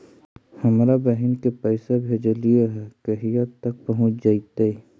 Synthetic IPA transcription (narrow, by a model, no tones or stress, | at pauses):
hɐmɾabɛɦɛnkepɛːsebʱed͡ʒɐlijeɦɛkeɦijat̪ːɐk̚pɐɦʊ̃t͡ʃd͡ʒaːit̪ei